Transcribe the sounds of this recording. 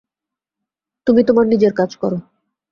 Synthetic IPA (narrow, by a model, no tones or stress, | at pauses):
t̪umit̪omaɾnid͡ʑeɾkad͡ʑkɔɾo